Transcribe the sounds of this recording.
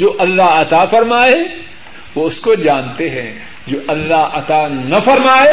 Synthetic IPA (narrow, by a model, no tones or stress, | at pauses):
d͡ʒoːʔɐlːaɦɐt̪afɐɾmaːe | ʋoʊskod͡ʒãːnt̪eɦɛ̃ | d͡ʒoːʔɐlːaɦɐt̪anɐfɐɾmaːe